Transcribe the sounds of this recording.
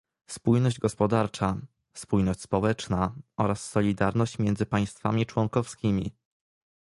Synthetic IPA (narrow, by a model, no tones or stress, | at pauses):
spujnɔʑd͡ʑɡɔspɔd̪aɾt͡ʂa | spujnɔɕt͡ɕʲspɔwɛt͡ʂnaʔɔɾasːɔlʲid̪aɾnɔɕt͡ɕmʲjɛnd̪zɘpaj̃st̪fa̰mʲit͡ʂwɔŋkɔfskʲimʲḭ